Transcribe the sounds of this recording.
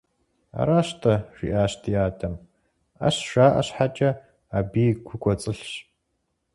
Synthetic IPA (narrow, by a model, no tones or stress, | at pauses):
a̰ɾaːɕtʰɐʂḭʔaːɕtʰijaːtʰɐm | ɐ̰ɕʂaːʔɐ̰ɕħat͡ʃʼɐ | aːbiːɡʷʊkʷʰʼɔt͡sʼɨɬɕ